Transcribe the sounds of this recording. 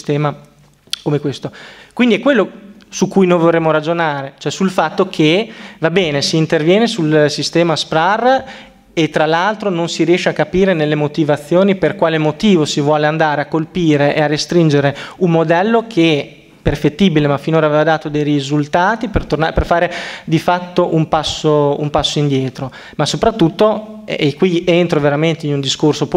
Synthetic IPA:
st̪ɛːma | komekwest̪okwind̪iɛkːwelːosukːujnojvorreːmoɾad͡ʒonaːɾet͡ʃoɛsulfat̪ːokʰevabɛːnesiːnt̪ervjɛːnesulsist̪ɛːmaspɾar | et̪ːɾalːalt̪ɾononsiɾijɛːʃeakːapiːɾenelːemot̪ivat̪sːjoːniperkwaːlemot̪iːvosivwɔːleand̪aːɾeakːolpiːɾeʔearːest̪ɾind͡ʒeɾeummod̪ɛlːokʰe | perfet̪ːiːbilemafinoːɾaveːvad̪aːt̪od̪ejrizult̪aːt̪ipert̪ornaperfaːɾed̪ifat̪ːoʔumpasːoumpasːoind̪jɛːt̪ɾo | masopɾat̪ːut̪ːoekːwient̪ɾoveɾament̪einund̪iskorsop

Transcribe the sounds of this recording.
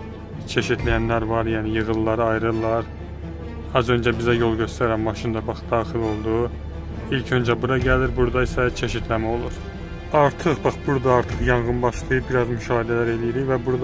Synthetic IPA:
t͡ʃʰe̞ʃit̪ʰlæjænlæɾvɑɾjæːnijɯʁɯlˠːɑɾɯɑjɾɯlˠːɑɾ | ɑzø̞nd͡ʒæbizæjo̞lˠɟø̞st̪æɾæmbɑʃɯnd̪ɑbɑχd̪ɑːχilo̞lˠd̪u | ilcʰø̞nd͡ʒæbuɾɑɟæliɾbuɾd̪ɑisæt͡ʃʰe̞ʃit̪ʰlæmæo̞lˠuɾ | ɑɾt̪ʰɯχbɑχbuɾd̪ɑɑɾt̪ʰɯχjɑɴʁɯnbɑʃlˠɯjɯbiɾɑzmyʃɑːhid̪ælæɾe̞lijiɾivæbuɾd̪

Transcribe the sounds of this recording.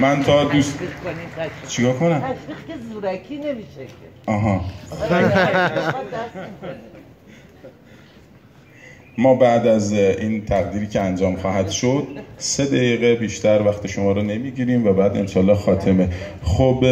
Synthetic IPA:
mænt̪ʰɒd̪us | t͡ʃʰekɒːkʰonæmzuɾkʰinemiʃeʔɒːɦɒː | mɒːbæʔd̪æzʔiːnt̪ʰæɣd̪iːɾiːcʰeænd͡ʒɒːmxɒːɦæd̪̥ʃo̞d̪̥̚se̞d̪æjiːɣebiːʃt̪ʰæɾvæxt̪ʰeʃomɒːɾɔne̞miːɟiːɾiːmvæbæːd̪e̞̰mʃɒːlːɒːxɒːt̪ʰe̞me̞ | xob

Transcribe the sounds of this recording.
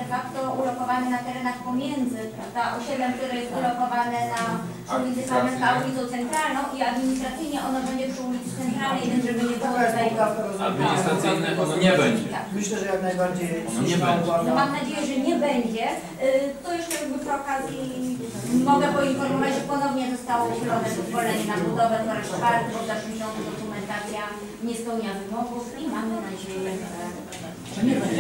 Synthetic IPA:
fakt̪ɔʔulɔkɔvanɛnat̪ɛɾɛnaxpɔmʲjɛnd̪zɘpɾavd̪aʔɔɕɛd̪ɛmk̚t̪uɾɛjɛst̪ulɔkɔvanɛna | ɔɾɡaɲʲzɛsamɛsk̪aulʲit̪sɔ̃w̃t̪sɛnt̪ɾalnɔ̃w̃ʔiad̪mʲiɲist̪ɾat̪sɘjɲɛʔɔnabɛɲd͡ʑɛpʂulʲit̪ɨsɛnt̪ɾalnɛjmʲɛnʐɛbɘɲɛbɔwɡ̪aajik̪at̪ɔɾɔzad̪mʲiɲisst̪ɾat̪sɨjnɛɔɔɲɛbɛɲɛt̪a̰kmɘɕlɛʐɛjaknajbaɾd͡ʑejɲɛvanɔvamamnad͡ʑejɛʐɛɲɛbɛɲd͡ʑɛ | t̪ɔjɛʂtɛjɛɡbɨpɔkazʲji | mɔɡɛpɔinfɔɾmɔvad͡ʑʐɛpɔnɔvɲɛzɔst̪awɔuɕlɔnɛvɔt̪vɔɾɛɲɛnabud̪ɔvɛt̪ɔɾɛʂvaɾt̪bɔvzaʂɨmɕʲɔ̃nt̪ɛd̪ɔkumɛnt̪at̪sʲja | ɲɛspɛwɲavɨmɔvusimamːɔmnad͡ʑejɛɛɛta | ʐɛɲɛbɛɲd͡ʑ

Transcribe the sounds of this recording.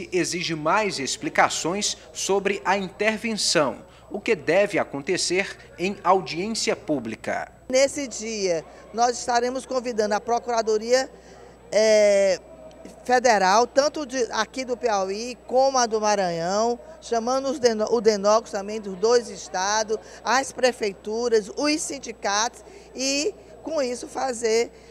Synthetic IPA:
ɪʔeziʒɪmajzesplikasõj̃sː | obɾɪʔɐĩt̪eɾvẽsɐ̃w̃ | ʊkɪd̪ɛvɪakõnt̪eseɾ | ẽj̃awd͡ʒiẽsiɐpublikɐ̰ | nesɪd͡ʒiɐ | nɔzɪʃt̪aɾẽmʊskõvid̪ɐ̃nd̪ʊapɾɔkuɾad̪oɾiɐ | ɛ | fed̪eɾawt̪ɐ̃nt̪ʊd͡ʒɪakid̪ʊpeawikõmʊad̪ʊmaɾɐ̃jɐ̃w̃ʃɐ̃mɐ̃d̪ʊzd̪enɔʔʊd̪enɔɡʊst̪ɐ̃mbẽj̃d̪ʊzd̪ojzɪʃt̪ad̪ʊ | aspɾefejt̪uɾɐzʊsĩd͡ʒikat̪ʊ̥s | ɪ | kõisʊfazeɾ

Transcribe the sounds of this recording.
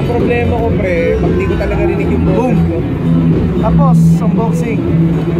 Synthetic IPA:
ɐŋpɾoblɛːmɐkopɾɛ | pɐɡ̚t̪ikot̪ɐlɐɡɐɾɪnɪɡjʊŋbooko | t̪aːposːɐmboksɪŋ

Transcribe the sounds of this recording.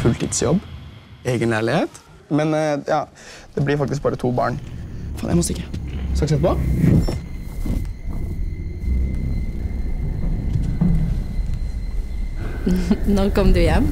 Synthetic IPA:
fʉlt̪ʰḭːd̪sjɔ̰bːeːɡənlæːɭɪheːt̪ | mɛnjɑː | d̪̥ɛblɪɾfɑk̚t̪ɪsk̚bɑːɾət̪ʰuːbɑ̰ːɳfɑːnʔæ̰ɪmɔst̪əɪkːəsɑksɛt̪pɔ | noːkɔmd̪ʉjɛmː

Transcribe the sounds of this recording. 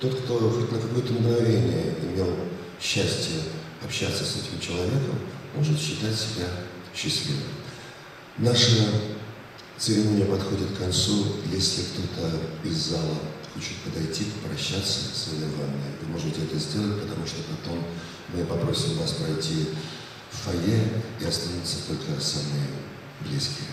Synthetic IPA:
t̪o̞t̪kt̪o̞xotʲnəkɐko̞jət̪əmɡnɐvʲenʲɪjəɪmʲe̞lˠ | ɕːæsʲtʲɪjə | ɐpɕːat̪sːəsɛtʲɪmt͡ɕɪlˠɐvʲe̞kəmmo̞ʐɨt̪ɕːɪt̪atʲsʲɪbʲa | ɕːɪsʲlʲivə̰m | naʂə | t̪sɨɾʲɪnunʲɪjəpɐt̪xo̞dʲɪt̪kːɐnt̪sujesʲlʲɪkt̪o̞t̪əɪzːalˠəxot͡ɕut̪pəd̪ɐjtʲipɾɐɕːat̪sːəzəlʲɪvanʲːɨvɨmo̞ʐɨtʲɪɛt̪əzʲdʲe̞lˠət̚ʲpət̪ɐmuʂt̪o̞pɐt̪o̞mː | ɨpɐpɾo̞sʲɪmvaspɾɐjtʲi | ffɐjeiɐst̪anʲut̪sːə̥t̪o̞lʲkəsamɨ | blʲiskʲɪ

